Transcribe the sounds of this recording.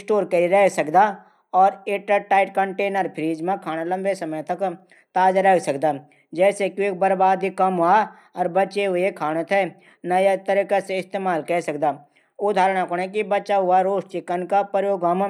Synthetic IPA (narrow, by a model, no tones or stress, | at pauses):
sʈoːɾkəiɾɛɦsəkd̪a | ɔːɾeːʈəʈaːɪʈkəɳʈeːnəɾpʰɾiːd͡ʒmẽkʰaːñalə̃mbesɐməjt̪ɐk | t̪aːd͡ʒəɾɛsəkd̪aː | d͡ʒɛːsekiek̚bəɾbaːd̪ikəmɦa | ɔːɾbətːt͡ʃeɦʊekʰaːñət̪ʰɛ | nəjat̪əɾiːkaseɪst̪eːmaːlkɛɦsəkd̪aː | ʊd̪ʱaːɾɽ̃akoɽ̃ek̬ibətːʃaɦʊaɾoːʃt͡ʃɪkənkapəjoːɡəm